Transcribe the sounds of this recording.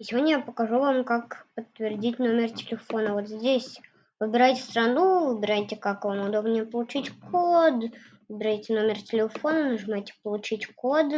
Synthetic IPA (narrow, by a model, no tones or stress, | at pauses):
ɪsʲɪvo̞dʲnʲəjapəkɐʐuvamkakpət̪ːvʲɪrdʲitʲno̞mʲɪrtʲɪ̥lʲɪfo̞nəvo̞t̪zʲdʲesʲ | vɨbʲɪɾajtʲɪ̥st̪ɾɐnuvɨbʲɪɾajtʲɪkakvamʊd̪o̞bnʲɪjəpəlˠʊt͡ɕitʲkʰod̪ | vɨbʲɪɾajtʲɪno̞mʲɪrtʲɪlʲɪfo̞nənəʐɨmajtʲɪ̥pəlˠʊt͡ɕitʲkod̪